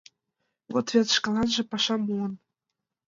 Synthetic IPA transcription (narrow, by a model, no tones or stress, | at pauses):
vot̪vʲet̪ʃkɑ̆lˠɑnʒɤ̆pɑʃɑmuə̆n